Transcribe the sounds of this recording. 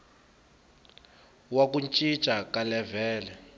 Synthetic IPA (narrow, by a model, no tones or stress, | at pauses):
wak̬unt͡ʃʼit͡ʃʼakalɛvɛːlɛ